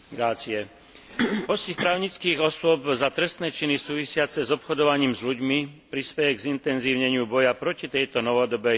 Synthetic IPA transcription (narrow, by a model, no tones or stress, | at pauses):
ɡɾaːt͡siɛ | ɦɔscixpɾaːʊɲit͡skiːɣɔsʊɔbzat̪ɾɛst̪nɛːt͡ʃinisuːʋisɪat͡sɛzɔpxɔd̪ɔʋaɲiːmzʎuɟmipɾispɛjɛɡzint̪ɛnziːʊɲɛɲɪubɔjapɾɔcit̪ɛjt̪ɔnɔʋɔd̪ɔbɛ